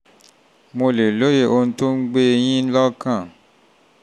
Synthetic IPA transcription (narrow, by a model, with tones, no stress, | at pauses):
mo˧le˨lo˦je˦˨ʔo˧n̩˦to˦ŋ̩˦ɡ͡be˦˧jĩ˦lɔ˦kã˦˨